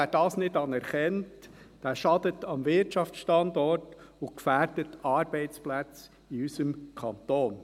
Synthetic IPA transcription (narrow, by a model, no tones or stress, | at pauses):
æːd̥ɑːsnɪdɑnɛɾχɛntd̥æːʃɑd̥ətɑmvɪɾtɑft͡ssʃtɑndɔɾtʊkfæːɾd̥ətɑːɾbɛɪt͡splæt͡s | iysəmkʰɑntoːn